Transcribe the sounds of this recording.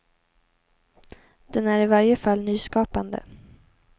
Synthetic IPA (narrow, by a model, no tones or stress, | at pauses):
d̪̥ɛnæɾɪvaɾjəfalːnyːskɑːpand̪ə̰